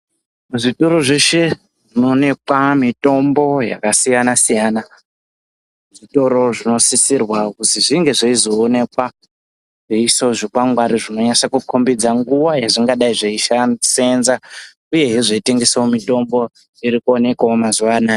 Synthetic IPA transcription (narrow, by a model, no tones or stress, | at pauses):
uʐito̞ɾo̞ʐe̞ʃe̞ʐʐino̞ne̞kwamito̞mbo̞ja̰kasijanasijaːna | ʐito̞ɾo̞ʐino̞sisirwakutiʐiŋɡe̞ʐeizo̞ːne̞kwa | ʐeiso̞ʐikaŋɡwaɾiʐino̞ɲasakukʰombid͡zaŋɡuwajaʐiŋɡaɗaiʐeiʃase̞nza | uje̞ɦiʐeiteŋɡe̞sawomito̞mbo̞ | iɾikuone̞kwaomazuʋanaːje